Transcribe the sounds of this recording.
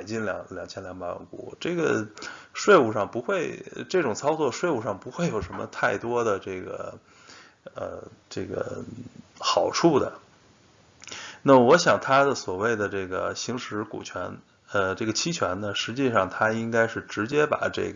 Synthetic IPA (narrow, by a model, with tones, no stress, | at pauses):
a˨˩ɪt͡ɕi˥˩nljɑ̰˨˧˥ŋljɑ˨˩ŋt͡ɕʰjɛ˥nljɑ˧˥ŋpa˧˥ɻə̰˧˥nkṵ˨˩ʈ͡ʂɤ˥˩ɡə˩ | ʂwe˥˩ɪu˨˩ʂɑ˥˩ŋpu˧˥xwe˥˧ɪʈ͡ʂɤ˥˩ʈ͡ʂʊ˨˩ŋt͡sʰɑ˥ʊt͡swɔ˥˩ʂwe˥˩ɪu˨˩ʂɑ˥˩ŋpu˧˥xwe˥˩ɪjo˨˩ʊʂə˧˥nmə̰˧t̪ʰa˥˩ɪt̪wɔ˥d̪ə˨ʈ͡ʂɤ˥˩ɡə̰˩ | ə̰˧ʈ͡ʂɤ˥˩ɡə̰˩ | xɑ˨˩ʊʈ͡ʂʰu˥˩d̪ə̰˩ | na˥˩wɔ˧˥ɕjɑ˨˩ŋt̪ʰa˥d̪ə˨swɔ˨˩we˥˩ɪd̪ə˩ʈ͡ʂɤ˥˩ɡə̰˩ɕi˧˥ŋʂɻ̩˧˥kṵ˨˩t͡ɕʰɥɛ̰˧˥n | ə˧ʈ͡ʂɤ˥˩ɡə˩t͡ɕʰi˥t͡ɕʰɥɛ˧˥nnə˨ʂɻ̩˧˥t͡ɕi˥˧ʂɑ˥˩ŋt̪ʰa˥i˥ŋka˥ɪʂɻ̩˥˩ʈ͡ʂɻ̩˧˥t͡ɕjɛ˥pa̰˨˩ʈ͡ʂɤ̰˥˩ɡə˩